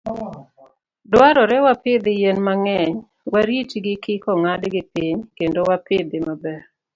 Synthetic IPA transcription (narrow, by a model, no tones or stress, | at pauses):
dwaɾɔɾɛwapɪd̪ɪjenmaŋɛɲ | waɾit͡ʃɡɪkɪkɔŋadɡɪpiɲkendowapɪd̪ɪmabɛr